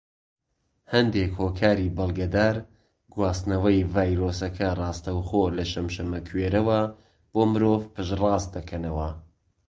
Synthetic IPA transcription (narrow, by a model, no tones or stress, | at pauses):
hɐnd̪ekhoːkʰaːɾibɐlˠɡɐd̪aːɾ | ɡwaːst̪nɐwɐjvaːjɾoːsɐkʰɐrˤɑːst̪ɐwχoːlɐʃɐmʃɐmɐkʰweːɾɐwɐ | b̥oːmɨɾoːvpɨʃrɑːst̪̚d̪ɐkʰɐnɐwɐ